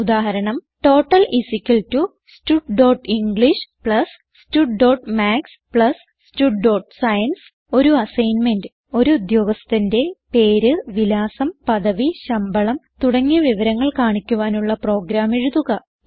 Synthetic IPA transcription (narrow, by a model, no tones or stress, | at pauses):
ud̪aːɦɐɾɐɳɐmʈo̞ːʈːɐlisikʲːɐltːu | stuʈɖo̞ːʈiŋɡɭiʂpɭɐs | stuɖɖo̞ːʈmaːks | pɭɐs | tuɖːo̞ːʈsɐjɐns | o̞ɾuɐsɐjnmendɨ | o̞ɾuːd̪jo̞ːɡɐst̪inde̞pe̞ːɾɨʋilaːsɐmpɐðɐʋiɕɐmbɐɭɐmt̪uɽɐŋːiʋiʋɐɾɐŋːɐɭkaːɳikʲːuʋaːnuɭːɐpro̞ːɡɾaːmeɻuðuɣɐ